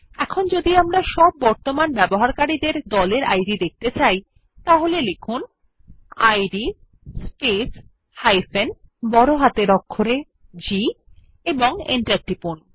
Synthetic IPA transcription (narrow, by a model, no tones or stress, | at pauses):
ɛkʰond͡ʑod̪iamɾaʃɔb̚ːɔɾt̪omanbɛboɦaɾkaɾid̪eɾd̪ɔleɾa̰jɖid̪ek̚t̪et͡ɕaj | t̪aɦolelekʰun | ajɖi | spes | hajfenbɔɾoɦat̪eɾɔkʰːoɾe | d͡ʑi | eboŋḛɳʈaɾʈipun